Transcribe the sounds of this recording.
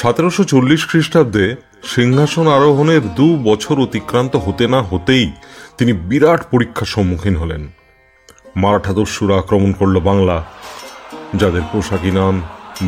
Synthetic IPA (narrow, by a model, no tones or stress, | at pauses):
ʃat̪eɾoʃot͡ɕolːiʃkɾiʃʈab̚d̪e | ʃiŋɦaʃonaɾoɦoneɾd̪ubɔt͡ɕʰoɾot̪ikɾant̪oɦot̪enaɦot̪ejt̪inibiɾaʈʰpoɾikʰːaʃɔmːukʰinɦɔlḛn | maɾaʈʰad̪oʃːuɾaakɾomonkoɾlobaŋla | d͡ʑad̪eɾpoʃakinam